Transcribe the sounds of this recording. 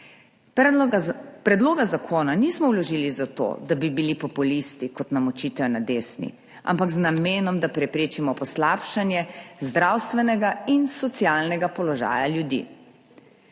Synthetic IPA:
pɾɛd̪loːɡazakʰoːnaniːsmɔwlɔʒiːlizat̪o̰d̪abibilipɔpulist̪ikɔt̪namɔt͡ʃiːt̪ɛnad̪eːsnḭ | a̰mpaɡznameːnɔmd̪apɾɛpɾeːt͡ʃimɔpɔslaːpʃanjɛzd̪ɾawst̪ʋɛnɛɡainsɔt̪sjaːlnɛɡapɔlɔʒa̰ːjaljud̪ḭː

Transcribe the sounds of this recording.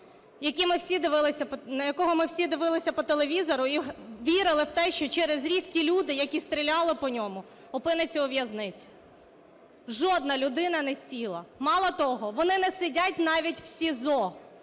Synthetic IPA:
jɐkʲimɪwsʲid̪ɪʋɪlˠɪsʲɐnɐjɐkɔɦɔmɪwsʲid̪ɪʋɪlˠɪsʲɐpɔt̪elˠeʋʲizɔɾʊiɦʋʲiɾɪlˠɪwt̪ɛʃt͡ʃɔt͡ʃɛɾezɾʲiktʲilʲud̪ɪjɐkʲist̪ɾʲilʲɑlˠɪpɔnʲɔmʊ | ɔpɪnɐt͡sʲiɔʋjɐznɪt͡sʲʊ̥ | ʒɔd̪nɐlʲʊd̪ɪnɐnɛsʲilˠɐmɑlˠɔt̪ɔɦɔʋɔnɪnɛsɪdʲatʲnɑʋʲitʲw̥sʲizɔ

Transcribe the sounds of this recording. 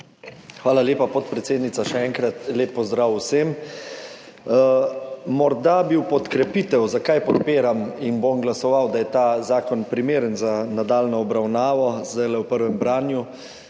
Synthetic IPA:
xʋaːlaleːpapɔt̪pɾɛt̪seːd̪nit̪saʃɛɛŋkɾat̪leːpːɔzd̪ɾaːwwsem | mɔɾd̪abiwpɔt̪kɾɛpit̪ɛwzakajpɔt̪peːɾaminbomɡlasɔʋawd̪ajɛt̪azaːkɔnpɾimeːɾənzanad̪aːlnɔɔbɾawnaːʋɔzd̪ajlɛwpəɾʋɛmbɾaːnju

